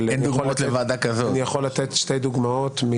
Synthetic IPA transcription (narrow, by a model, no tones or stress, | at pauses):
lend̪uɡolotlevaːd̪akazonijaχolːat̪et̪ʃtejd̪uɡmaot̪mi